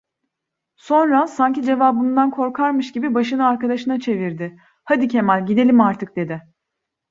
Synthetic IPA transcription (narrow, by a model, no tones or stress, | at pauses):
so̞nɾasaɲcid͡ʒe̞vaːbɯnd̪ankʰo̞ɾkʰaɾmɯʃɟibibaʃɯnɯaɾkad̪aʃɯnat͡ʃʰe̞viɾd̪ɪ | had̪icʰe̞mælʲɟid̪e̞lʲimaɾt̪ʰɯk̚d̪e̞d̪ɪ